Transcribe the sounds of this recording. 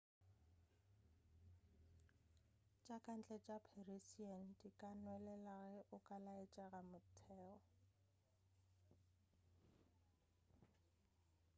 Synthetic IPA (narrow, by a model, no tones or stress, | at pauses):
t͡ʃʼakʼan̩t͡ɬʼɛt͡ʃʼapʰeresian̩dikʼanwɛlɛlaɣɛʔʊkʼalaet͡ʃʼaɣamʊtʰɛːɔ